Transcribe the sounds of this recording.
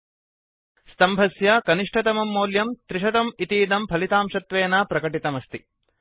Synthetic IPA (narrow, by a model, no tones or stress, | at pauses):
st̪ɐmbʱɐsjakɐniʂʈʰɐt̪ɐmɐmːoːljɐmt̪ɾiʃɐt̪ɐmit̪iːd̪ɐmpʰɐlit̪aːmʃɐt̪ʋeːnaːpɾɐkɐʈit̪ɐmɐst̪i